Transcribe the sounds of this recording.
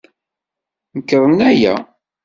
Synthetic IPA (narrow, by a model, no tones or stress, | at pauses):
nəkːəɾˤənæjæ̰